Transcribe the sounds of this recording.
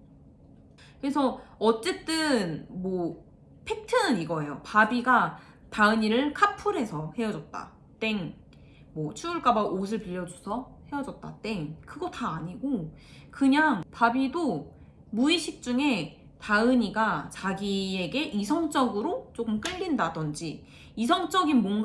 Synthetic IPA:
kɯɾe̞sʰʌʌt͡ɕ͈e̞t͈ɯnmʌ | pʰe̞k̚tʰɯnɯniɡʌe̞jopabiɡa | taɯɲiɾɯɭkʰapʰuɾɦe̞sʰʌhe̞jʌd͡ʑʌt̚t͈a̰ | t͈e̞ŋ | mʌt͡ɕʰuuɭk͈abaʔos̬ʰɯɭpiʎːʌd͡ʑusʰʌhe̞jʌd͡ʑʌt̚t͈a̰t͈e̞ŋkɯɡʌtaːɲiɡokɯɲaŋpabido | muiɕʰik̚t͡ɕ͈uŋe̞ | taɯɲiɡat͡ɕaɡie̞ɡe̞ʔisʰʌŋt͡ɕ͈ʌɡɯɾot͡ɕ͈okɯmk͈ɯʎːindadʌnd͡ʑi | is̬ʰʌŋt͡ɕ͈ʌɡinmʌnɡ

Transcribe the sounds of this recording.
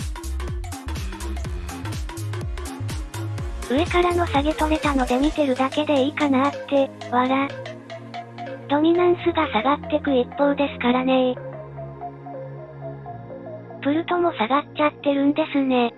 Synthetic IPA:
ɯ̟e̞kaɾano̞saɡe̞t̪o̞me̞t̪ano̞d̪e̞mʲit̪e̞ɾɯ̟d̪ake̞d̪e̞ikanat̪ːe̞βaɾa | d̪̥o̞m̟ʲinãɰ̃sɨɡasaɡat̪ːe̞kɯ̟ipːo̞ːd̪e̞sɨ̥kaɾane̞ | pɯ̟ɾɯ̟t̪o̞mo̞saɡatt͡ɕːat̪ːe̞ɾɯ̟̃nd̪e̞sɨne̞

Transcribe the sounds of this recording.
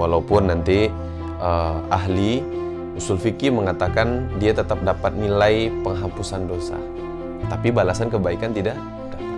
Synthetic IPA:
walaupʊnːant̪i | əaɦli | usulfikiməŋat̪akandiat̪ət̪ap̚dapat̪̚nilajpəŋɦapusandosa̰ | t̪apibalasankəbaikant̪idaʔ | ada

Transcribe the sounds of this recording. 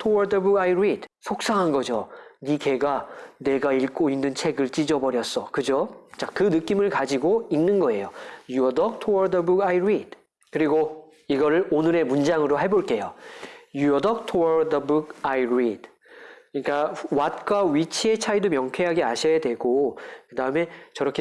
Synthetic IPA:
tʰowaɾdɯbuɡajiɾidsʰok̚s͈aɦanɡʌd͡ʑonike̞ɡane̞ɡaiɭk͈oinːɯnt͡ɕʰe̞ɡɯɭt͡ɕ͈id͡ʑʌbʌɾjʌs͈ʌkɯd͡ʑot͡ɕakɯnɯk͈imɯɭkad͡ʑiɡoinːɯnɡʌe̞jojuʌdʌk̚tʰowaɾdɯbuɡajɾid̥ | kɯɾiɡo | iɡʌɾɯɭonɯɾe̞mund͡ʑaŋɯɾoɦeboɭk͈e̞jojuʌdʌk̚tʰowʌɾdʌbuk̚ajɾid̥ | ɲik͈awat̚k͈waɥit͡ɕʰie̞t͡ɕʰaidomjʌŋkʰwe̞ɦaɡiaɕʰʌjadwe̞ɡokɯdaɯme̞t͡ɕʌɾʌkʰe

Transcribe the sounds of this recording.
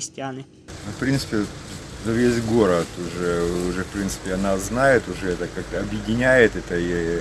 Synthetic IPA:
ɾʲɪsʲtʲɪanɨ | nofpɾʲint̪sɨ̥pʲɪ | vʲezʲɡo̞ɾət̪ʊʐɛʊʐɛfpɾʲint̪sɨ̥pʲɪɐnazznajɪt̪ʊʐɛɛt̪əkak̚t̪əɐbjɪdʲɪnʲæjɪt̪ɛt̪əi

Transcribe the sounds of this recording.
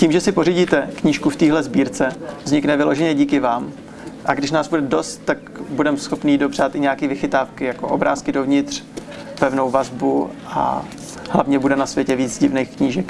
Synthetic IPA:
ciːmʒɛsɪpo̞riɟiːt̪ɛkɲiːʃkuft̪iːɦlɛzbiːɾt͡sɛvzɲɪknɛvɪlo̞ʒɛɲɛɟiːkɪvaːm | ʔaɡdɪʃnaːzbudɛdo̞st̪ːak | budɛmsxo̞pniːdo̞br̝at̪ʔɪɲɛakiːvɪxɪt̪aːfkɪjako̰ʔo̰bɾaːskɪdo̞vɲɪt̪r̝̥ | pɛvno̞wvazbuʔa̰ | hla̰vɲɛbudɛnasvjɛcɛviːd͡zɟɪvnejxkɲiːʒɛk

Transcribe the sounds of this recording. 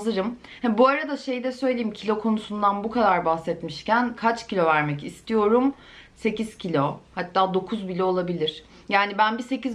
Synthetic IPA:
zɯɾɯm | hɛbuaɾad̪aʃe̞jd̪ɛsø̞jlʲe̞jimcʰilʲo̞kʰo̞nusund̪anbukʰad̪aɾbahsɛt̪miʃcænkʰat͡ʃcilʲo̞væɾmɛcist̪ʰijo̞ɾum | se̞ciz̥cʰilʲo̞hat̪ːaːd̪o̞kʰuzbilʲoolˠabilʲiɾ̥ | jaːnibænbise̞ciz

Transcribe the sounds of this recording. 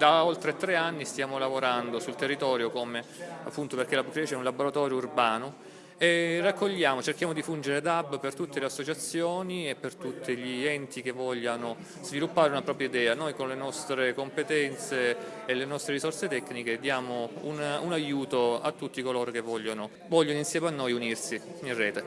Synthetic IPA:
d̪aolt̪ɾeat̪ːɾeanːist̪jaːmolavoɾand̪osult̪erːit̪ɔːɾjokomea̰pːunt̪operkelabkɾɛt͡ʃɛunlaboɾat̪ɔːɾjourbaːno | erakːoʎːaːmot͡ʃerk̟jaːmod̪ifund͡ʒeɾed̪abːpert̪ut̪ːeleasːot͡ʃat̪sːjoːniepːert̪ut̪ːeʎiɛnt̪ikevːɔʎːano | z̥vilupːaːɾeunapɾɔːpɾjaid̪ɛːanojkonlenɔst̪ɾekompet̪ɛnt̪seː | lenɔst̪ɾeɾisɔrset̪ɛkːniked̪jaːmoununajuːt̪oa̰t̪ːut̪ːikoloːɾokevːɔʎːono | vɔʎːonoinsjɛːmanːojunirsiirːɛːt̪e

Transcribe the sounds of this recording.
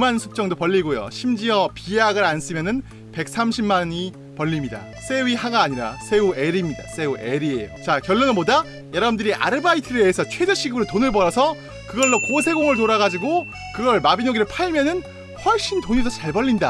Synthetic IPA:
umansʰu̥p̚t͡ɕ͈ʌŋdopʌʎːiɡojo̰ɕʰimd͡ʑiʌpijaɡɯɾans͈ɯmjʌnɯn | pe̞k̚s͈ʰamɕʰimmaɲi | pʌɭʎːimɲida̰ | s͈ʰe̞wiɦaɡaːɲiɾa̰sʰe̞ueɾimɲida̰s͈ʰe̞uʔeɾiejo̰t͡ɕakjʌɭːonɯnboda | jʌɾʌbɯndɯɾiʔa̰ɾɯbaitʰɯɾeeːsʰʌt͡ɕʰwe̞d͡ʑʌɕʰiɡɯɾɯtonɯɭbʌɾʌsʰʌ | kɯɡʌɭːokosʰe̞ɡoŋɯɭtoɾaɡad͡ʑiɡo | kɯɡʌɭmabinoɡiɾɯɭpʰaimjʌnɯn | ɸwʌɭɕ͈intoɲidot͡ɕaɭbʌɭʎːinda

